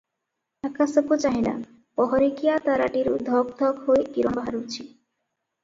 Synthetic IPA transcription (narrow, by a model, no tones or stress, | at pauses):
akasokut͡ɕaɦina̰ | pɔɦɔɾikijat̪aɾa̰ʈiɾṵd̪ʱɔɡ̚d̪ʱɔkɦojkiɾombaɦaɾuɾt͡ɕʰi